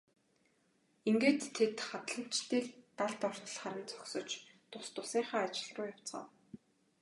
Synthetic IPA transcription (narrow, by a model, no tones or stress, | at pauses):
iŋɡeːt̪ʰːet̪χat̪ɮə̆m̥t͡ɕt̪iːkt̪aɮt̪ɔr̥t̪ə̆ɮχaɾə̆nt͡sɔ̥ksɞ̆t͡ɕt̪ʊst̪ʊsiːɴχaːat͡ɕɪ̆ɮʁʊːjaw̥t͡sχə̰ːw